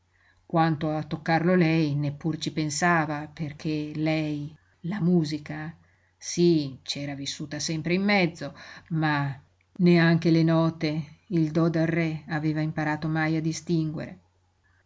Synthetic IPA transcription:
kwant̪oat̪ːokːarlolɛjnepːurt͡ʃipensaːvaperkʰelɛj | lamuːzika | sit͡ʃɛːɾavisːuːt̪asɛmpɾeimːɛd̪zːoma | neaŋk̟elenɔːt̪eild̪ɔd̪arːɛaveːvaimpaɾaːt̪omajad̪ist̪iŋɡwḛɾe

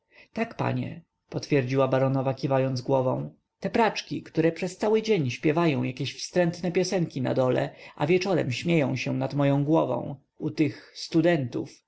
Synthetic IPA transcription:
t̪akpa̰ɲɛ̰ | pɔt̪fʲjɛɾd͡ʑiwabaɾɔnɔvakʲivajɔnd̪zɡwɔvɔ̰̃w̃ | t̪ɛpɾat͡ʂkʲikt̪uɾɛpʂɛst̪sawɘd͡ʑeɲɕpʲjɛvajɔ̃w̃jakʲeɕfst̪ɾɛnt̪nɛpʲjɔsɛŋkʲina̰d̪ɔlɛ̰ʔa̰vʲjɛt͡ʂɔɾɛ̰mɕmʲjejɔ̃w̃ɕɛnat̪mɔjɔ̃w̃ɡwɔvɔ̰̃w̃ | ut̪ɘxst̪ud̪ɛnt̪ṵf

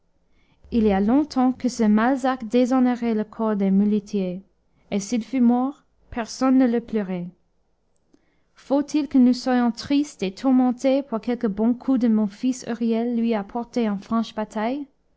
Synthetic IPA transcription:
ilialɔ̃t̪ʰɑ̃kəsəmalzakd̪ezɔneʁɛləkʰɔʁd̪emylit̪ʰje | esilfymɔʁ | pɛʁsɔnːələpløʁɛ | fot̪ʰilkənuswajɔ̃t̪χist̪et̪ʰuʁmɑ̃t̪epʰuʁkɛlkəbɔ̃kʰud̪əmɔ̃fisy̰ʁjɛlːɥiapʰɔʁt̪eỹnfχɑ̃ʃbat̪ʰaj

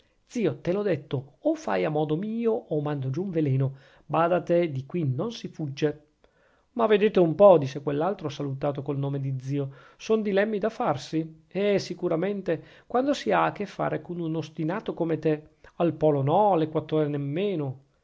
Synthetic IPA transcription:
d̪z̥iːot̪elɔd̪et̪ːoːfːa̰jamɔːd̪omiːoomand̪od͡ʒuːɱvelɛːno | baːd̪at̪ed̪ikwinonsifud͡ʒːe | maved̪eːt̪eumpɔd̪it͡ʃːekwelːalt̪ɾosalut̪aːt̪okolnoːmed̪id̪ziːo | sond̪ilɛmːid̪afarsi | eɛsikuɾament̪ekwand̪osiaːkːefːa̰ːɾekonunost̪inaːt̪okomet̪e | alpɔːlonɔalːekwat̪ːɾoːɾenemːeːno

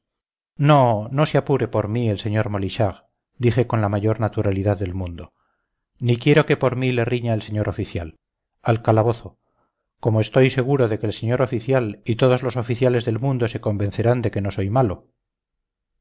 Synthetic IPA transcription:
no̞no̞seapuɾe̞po̞ɾmie̞lse̞ɲo̞ɾmo̞liʃaɣ | d̪ixe̞ko̞nlamaʝo̞ɾnat̪uɾaliðaðːe̞lmũnd̪o̞ | nik̬je̞ɾo̞ke̞po̞ɾmile̞riɲaelse̞ɲo̞ɾʔo̞fiθjal | alkalaβo̞θo̞ | ko̞moe̞st̪o̞jse̞ɣ̞uɾo̞ðe̞ke̞ːlse̞ɲo̞ɾo̞fiθjalit̪oð̞o̞zlo̞so̞fiθjale̞zðe̞lmũnd̪o̞se̞ko̞mbe̞n̟θe̞ɾand̪e̞ke̞no̞so̞jmalo̞

